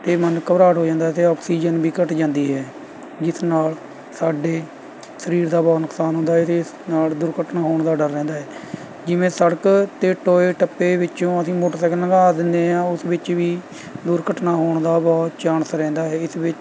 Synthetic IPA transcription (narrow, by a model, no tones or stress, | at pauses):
t̪eːmənkəbɾaːʈɦoːd͡ʒãːnd̪aːt̪eːɔːksiːd͡ʒənbiːkəʈd͡ʒãːnd̪iːɦɛː | d͡ʒɪsnaːl | saːɖeː | səɾiːɾd̪aːbɔːt̪nʊksaːnɦʊ̃nd̪aːɦɛt̪eːs | naːld̪ʊɾkəʈnaːɦoːɳd̪aːɖəɾːɛ̃ːnd̪aːɦɛː | d͡ʒɪʋẽːsəɽəkt̪eːʈoːeːʈəpːeːʋɪt͡ʃõːəsĩːmʊʈsəknãːɡaːd̪ɪnd̪eːɦãːʊsʋɪt͡ʃʋiː | d̪ʊɾkəʈnaːɦoːɳd̪aːbɔːt̪t͡ʃaːnsɾɛ̃ːnd̪aːɦɛːɪsʋɪt͡ʃ